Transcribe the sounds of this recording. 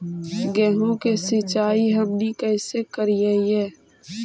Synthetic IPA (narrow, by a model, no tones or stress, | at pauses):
ɡɛːɦõkesit͡ʃaːiɦəmnikɛːsekəɾiaiɛː